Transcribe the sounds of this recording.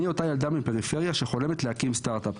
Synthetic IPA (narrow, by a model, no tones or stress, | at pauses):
io̞t̪ajald̪amimpe̞ʁife̞ʁjaʃe̞χo̞le̞met̪lehakimstaʁt̪ap